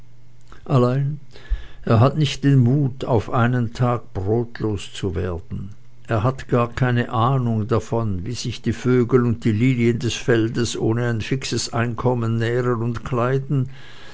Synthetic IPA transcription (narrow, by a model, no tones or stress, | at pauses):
ʔalaɪn | ʔeːɐɦatnɪçt̚d̥enmuːtʰa̰ʊfʔaɪnəntʰaːɡ̥̚b̥ʁoːtloːst͡suveːɐd̥n̩ | ʔeːɐɦatɡ̥aːɐkʰaɪnəʔaːnʊŋdafɔnviːz̥ɪçd̥iːføːɡl̩ʊnt̚d̥iːliːnjəndɛsfɛldəsʔoːnəaɪnfɪksəsʔaɪnkʰɔmənːɛːʁənʊntkʰl̥aɪdn̩